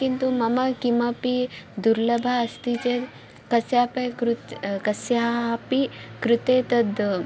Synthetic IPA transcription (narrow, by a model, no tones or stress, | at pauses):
kint̪umɐmɐkimɐpid̪uɾlɐbʱaːst̪it͡ʃe | kɐsjaːpɐkɾut̪kɐsjaːpikɾut̪eːt̪ɐd̪